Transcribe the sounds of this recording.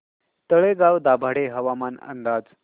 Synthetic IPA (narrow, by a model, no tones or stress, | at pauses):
t̪əɭeɡaʋd̪abʱaɽeɦəʋamanə̰nd̪ad͡z